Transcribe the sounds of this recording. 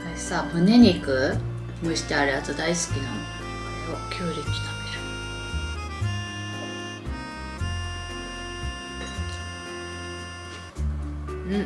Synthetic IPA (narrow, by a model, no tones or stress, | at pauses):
asaːmɯ̟neɲʲikɯ̟ | moiɕi̥t̪eaɾeat͡sɨd̪aisɨ̥kʲinano | okʲʰoːɾʲiki̥t̪ḁme̥ɾ